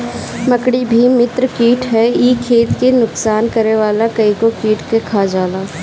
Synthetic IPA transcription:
mɐkɽibʱimɪt̪ɾəkiːʈɦɛiːkʰeːt̪kenʊksaːnkɐɾeʋaːlakɐĩkokiːʈkekʰaːd͡ʒaːlaː

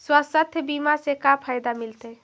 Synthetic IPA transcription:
swasət̪ʰjəbimasekapʰajd̪amilt̪ə

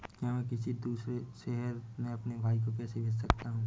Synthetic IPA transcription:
kjãmɛ̃kɪsid̪uːsɾeʃɛɦəɾmẽɐpnebʱaːik̬okɛːsebʱɪd͡ʒsɐkt̪aɦũː

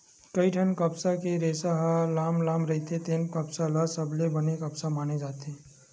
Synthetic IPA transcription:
kɐiʈʰɐnkɐpsakeɾeːsaɦalaːmlaːmɾɐɦit̪ʰet̪eːnkɐpsalasɐblebɐnekɐpsamaːned͡ʒaːt̪eː

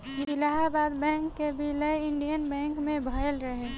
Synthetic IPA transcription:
ɪɪlaɦabaːd̪bɛ̃ːŋkːebʱiləjɪɳɖijənbɛ̃ːŋkmẽbʱəɪlɾəɦe

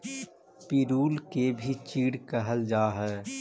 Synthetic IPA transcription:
pɪɾuːlkebʱit͡ʃiːɽkəɦəld͡ʒaːɦɛː

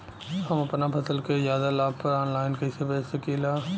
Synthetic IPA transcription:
hɐmɐpnapʰɐsəlkejaːd̪alaːpɐɾɔːnlaːɪnkɐɪsebɛːsɐkeːlaː

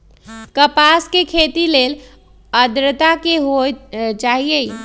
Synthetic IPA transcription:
kəpaskekʰet̪ilel | əd̪ɾət̪akeɦot͡ʃaɦie

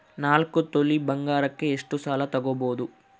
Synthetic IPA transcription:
naːlkut̪oɭːibɐŋɡaːɾɐkːeeʂʈːusaːlɐt̪ɐɡɐboːd̪u

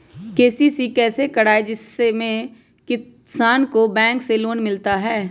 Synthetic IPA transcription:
keːsisikɛːsekɐɽaːed͡ʒɪsːemẽ | kɪ | saːnkobɛ̃ːŋkseloːnmɪlt̪aɦɛː

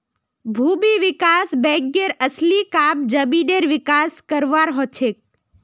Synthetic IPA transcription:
bʱubiʋikasbɛ̃ɡeɾəslikab̚d͡ʒəbiɖeɾʋikaskəɾʋaɾɦɔt͡ʃʰek̚

